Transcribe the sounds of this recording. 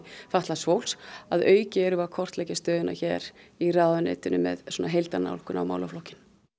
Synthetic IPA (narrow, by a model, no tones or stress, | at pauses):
faht̪lasvowlsaðœːɥcɪɛɾʏvakʰɔr̥t̪lɛjcɪ̥st̪œːðɪnʔa̰çɛːɾiraðʏnɪ̰ːt̪ɪnʏmɛ̰ðsɔnaɦejlt̪ana̰wlkʏna̰wma̰ːwlaflɔhcɪn